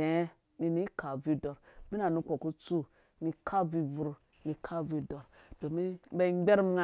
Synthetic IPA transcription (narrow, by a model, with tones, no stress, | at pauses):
e˨˦ | ni˨ni˦kʰa˨vi˦do˨ɾmi˦na˨nu˦ko˨ku˦t͡su˦ | ni˨kʰa˦vi˦vu˨ɾ | ni˨kʰa˦vi˦do˨ɾd̥o˨mi˦be˦ɡ͡be˦ɾm˦ŋa˦